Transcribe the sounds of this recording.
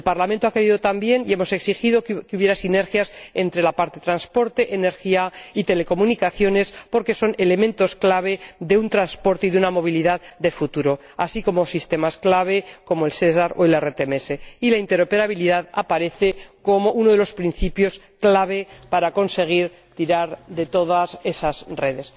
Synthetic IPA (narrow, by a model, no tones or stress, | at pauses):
elpaɾlament̪o̞ake̞ɾiðot̪ambje̞nie̞mo̞se̞ksixiðo̞kkeuβje̞ɾasine̞ɾxjase̞nt̪ɾe̞lapaɾt̪et̪ɾanspo̞ɾt̪e̞ʔene̞ɾxiait̪e̞le̞ko̞munikaθjo̞ne̞spo̞ɾke̞so̞ne̞le̞mẽnt̪o̞sklaβ̞e̞ðe̞unt̪ɾanspo̞ɾt̪e̞iðunamo̞β̞iliðaðd̪efut̪uɾo̞ | a̰siko̞mosist̪e̞masklaβ̞e̞ko̞moelses̬aɾoilaeret̪emese̞ilaint̪e̞ɾo̞peɾaβiliðaðapaɾe̞θe̞ko̞mo̞ʔunoðe̞lo̞spɾin̟θipjo̞s | klaβ̞e̞paɾako̞nse̞ɣ̞iɾ | t̪iɾaɾðe̞t̪o̞ðase̞sazre̞ðe̞s